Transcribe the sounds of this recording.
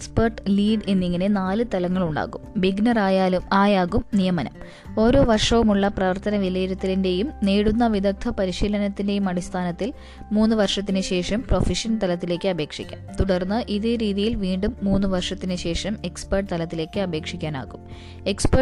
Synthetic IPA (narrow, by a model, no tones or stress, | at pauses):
ekspɐrʈliːɖe̞nːiŋːɐne̞naːlɨt̪ɐlɐŋːɐɭuɳɖa̰ːɣumbiɡnɐraːjaːluaːjaːɣumnijɐmɐnɐ̰m | o̞ːɾo̞ːʋɐrʂɐʋumuɭːɐprɐʋɐrt̪ɐnɐʋilɐjiɾɐt̪ːilinde̞jumneːɽunːɐʋiðɐk̚t̪ʰɐpɐɾiɕiːlɐnɐt̪ːinde̞jumɐɽist̪ʰaːnɐt̪ːil | muːnːuʋɐrʂɐt̪̬ːinɨɕe̞ːʂɐmpro̞fiʂɐnt̪ɐlɐt̪ːile̞ːkːɨɐbʱe̞ːkʂḭkʲːa̰mt̪uɽɐrnːɨʔiðeɾiːðijilʋiːɳɖumːuːnːuʋɐrʂɐt̪ːinɨɕe̞ːʂɐme̞kspɐrʈt̪ɐlɐt̪ːile̞ːkːɨɐbʱe̞ːkʂikʲːaːna̰ːɣum | e̞kspɐ